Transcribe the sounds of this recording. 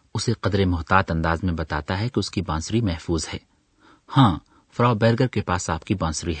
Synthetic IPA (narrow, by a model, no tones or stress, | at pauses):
ʊseqɐd̪ɾemʊɦt̪aːt̪ɐ̃nd̪aːzmẽbɐt̪aːt̪aɦɛkeʊskibãːnsɾimɛɦfuːzhɛː | hãː | fɾaːbɛːɾɡəɾkepaːsaːp̚kibãːnsɾiɦɛː